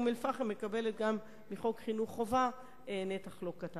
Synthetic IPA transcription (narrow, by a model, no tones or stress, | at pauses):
melfaχemːekabelet̚ɡamː | iχo̞kχinuχːova | enetaχlo̞kata